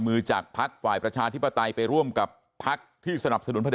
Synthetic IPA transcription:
mɯː˧t͡ɕaː˨˩k̚pʰa˦˥k̚faː˨˩jpɾa˧t͡ɕʰaː˧t̪ʰi˦˥pːa˧t̪a˧jpa˧jɾu˥˩əmka˨˩pʰːa˦˥k̚t̪ʰiː˥˩sa˧na˨˩p̚sa˧nu˩˦npʰa˧

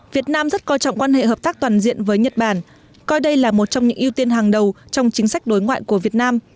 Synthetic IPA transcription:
vi˨˩ət̚naː˧mzə˦˥t̚kɔ˧˩t͡ɕɔ̰˧˨ŋ͡mkwaː˧nhḛ˧˨həː˨˩p̚t̪aː˦˥k̚t̪waː˨˩nzḭ˧˨ənvəː˨˦jɲə˨˩t̚ɓaː˧˩n | kɔ˧jɗə˧jlaː˨˩mo˨˩t̚t͡ɕɔ˧wŋ͡mɲɨ̰˧˥ŋʔi˧wt̪i˧ənɦaː˨˩ŋɗə˨˩wt͡ɕɔ˧wŋ͡mt͡ɕï˨˦ŋ̟sa˦˥jk̟̚ɗo˨˦jŋwa̰ː˧˨jku˧˩əvi˨˩ət̚naː˧m

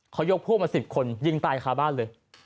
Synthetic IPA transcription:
kʰa˦˥wjo˦˥k̚pʰuː˥˩maː˧si˨˩p̚kʰo˧nji˧ŋt̪aː˧jkʰaː˧˥baː˥˩˨nlɤː˧j

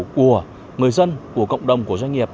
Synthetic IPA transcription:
ku˧˩ə | ŋɨ˨˩əjzə˧nku˧˩əkə̰˧˨wŋ͡mɗə˨˩wŋ͡mku˧˩əzwa˧jŋ̟ŋi˨˩əp̚

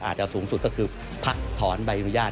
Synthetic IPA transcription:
ʔaː˨˩t̪̚t͡ɕa˨˩suː˩˦ŋsu˨˩t̪̚kɔː˥˩kʰɯː˧ | pʰa˦˥k̚t̪ʰɔː˩˦nba˧jʔa˧nu˦˥jaː˥˩

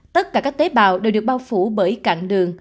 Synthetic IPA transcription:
t̪ə˦˥t̚kaː˧˩kaː˦˥k̚t̪e˨˦ɓa̰ː˨wɗe˨˩wɗɨ˨˩ək̚ɓaː˧wfu˧˩ɓəː˧˩jka̰ː˧˨nɗɨ˨˩əŋ

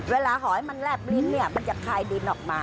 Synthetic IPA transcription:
weː˧laː˧ɦɔ˨˩˦ha˦jma˧nlɛː˥˩p̚li˧nːi˥˩ɐma˧nt͡ɕa˨˩kʰaː˧jdi˧nʔɔː˨˩k̚maː˧

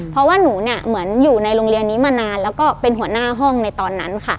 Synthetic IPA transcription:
ppʰɾɔ˦˥waː˥˩nuː˩˦ni˥˩ɐmɯ˩˦ənjuː˨˩na˧jɾoː˧ŋli˧ənːiː˦˥maː˧naː˧nlɛː˦˥wkɔː˥˩pe˧nɦu˩˦ɐnaː˥˩ɦɔ˥˩ŋna˧jt̪ɔː˧nːa˦˥nkʰa˥˩

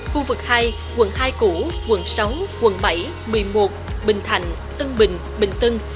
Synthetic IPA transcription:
xu˧vɨ˨˩k̚haː˧j | kwə̰˧˩nhaː˧jku˧˩kwə̰˧˩nsa˨˦wŋ͡mkwə̰˧˩nɓa˧˩j | mɨ˨˩əjmo˨˩t̚ɓï˨˩ŋ̟t̪ʰa̰˧˨jŋ̟ | t̪ɨ˧ŋɓï˨˩ŋ̟ | ɓï˨˩ŋ̟t̪ɨ˧ŋ

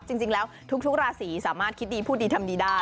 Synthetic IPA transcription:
t͡ɕi˧ŋt͡ɕi˧ŋlɛː˦˥wt̪ʰu˦˥k̚t̪ʰu˦˥k̚ɾaː˧siː˩˦saː˩˦maː˥˩t̪̚kʰi˦˥t̪̚diː˧pʰuː˥˩t̪̚iː˧t̪ʰa˧mdiː˧daː˥˩

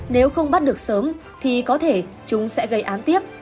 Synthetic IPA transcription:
ne˨˦wxə˧wŋ͡mɓa˦˥t̚ɗɨ˨˩ək̚səː˨˦m | t̪ʰi˨˩kɔ˨˦t̪ʰe˧˩ | t͡ɕʊ˨˦ŋ͡msɛ̰˧˥ɣə˧jʔaː˨˦nt̪i˦˥əp̚

